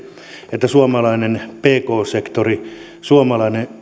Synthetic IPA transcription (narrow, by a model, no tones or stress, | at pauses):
et̪ːæsuomɑlɑinenpeːkoːsekt̪ori | suomɑlɑine